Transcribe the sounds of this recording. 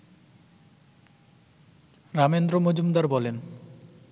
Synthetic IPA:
ɾamend̪ɾomod͡ʑumd̪aɾbɔlen

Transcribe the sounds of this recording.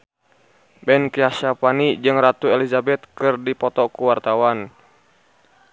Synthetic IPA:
bɛnkiaʃapanid͡ʒɨŋrat̪uelizabɛt̪kɨrdipɔt̪ɔkuwart̪awan

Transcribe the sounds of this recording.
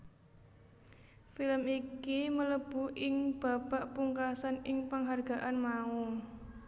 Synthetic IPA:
filəmikimələb̥ṳʔɪŋb̥a̤baʔpuŋkasanɪŋpəŋɦarɡ̥a̤ʔanmau

